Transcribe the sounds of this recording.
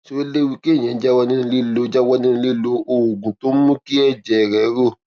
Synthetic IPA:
so˦o˦le˦wi˧ke˦˨j̃ɛ̃˨˦d͡ʒa˦wɔ˧nĩ˦˧li˦˨lo˧˦d͡ʒa˦wɔ˧nĩ˦˧li˦˨lo˧o˨ɡũ˨to˦mũ˦ki˦ɛ˦˨d͡ʒɛ˨ɾɛ˨˦ɾo˦˨

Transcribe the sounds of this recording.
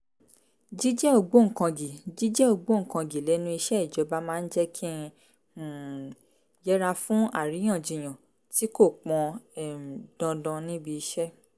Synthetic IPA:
d͡ʒi˦d͡ʒɛ˦o˨ɡ͡bo˦ŋ̩˦˨kã˧ɡi˨d͡ʒi˦d͡ʒɛ˦o˦˨ɡ͡bo˨˦ŋ̩˨kã˧ɡi˨lɛ˨˦nũ˦i˧ʃɛ˦i˦˨d͡ʒɔ˨˧˦ba˦mãː˦˧n̩˦d͡ʒɛ˦kʰĩ˦˧˨ | jɛ˦ɾa˧fũ˦a̰˦˨ɾi˨˦j̃ã˦˨d͡ʒi˨j̃ã˨ | ti˨˦ko˦˨k͡pɔ̃˧˨ | dɔ̃˧dɔ̃˧nĩ˦bi˧i˧ʃɛ˦

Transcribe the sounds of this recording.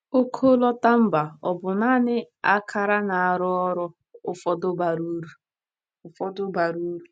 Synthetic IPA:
o˦kʰo˦lɔ˦ta˦m̩˦ba˨ɔ˨bʊ˨na˦nɪ˦ | a˦kʰa˦ɾa˦na˨a˨ɾʊ˦ɔ˦ɾʊ˦ | ʊ˦fɔ˦dʊ˦ba˨ɾu˦ɾu˨ | ʊ˦fɔ˦dʊ˦ba˨ɾu˦ɾu˨

